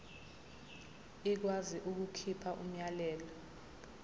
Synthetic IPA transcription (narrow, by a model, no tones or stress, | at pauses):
ik̬waziʔuk̬ukʰipʰaʔum̩jalɛːlɔ